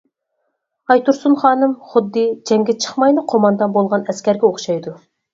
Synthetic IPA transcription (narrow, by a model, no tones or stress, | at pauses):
ɑjt̪uɾsunχɑːnɨmχʊd̪ːɨd͡ʒɛŋɡʲɛt͡ʃʰə̥χmɑjnɨqʰomɑnd̪ɑnbolˠʁɑnɛskʲɛɾɡʲɛoχʃɑjd̪u